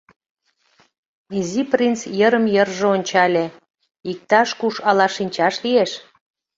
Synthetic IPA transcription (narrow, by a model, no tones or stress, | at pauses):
iziprint͡sjəɾəmjərʒeonʲt͡ɕɑlʲe | ik̚t̪ɑʃkuʃɑlɑʃinʲt͡ɕɑʃlieʃ